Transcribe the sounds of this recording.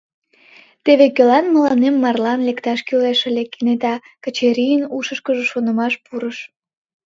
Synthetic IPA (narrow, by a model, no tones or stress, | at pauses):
t̪eβekølɑnməlɑnemːɑrlɑnlekt̪ɑʃkyleʃə̆lʲekːinet̪ɑ | kət͡ɕeɾʲijənuʃəʃkəʒəʃonə̆mɑʃpuɾəʃ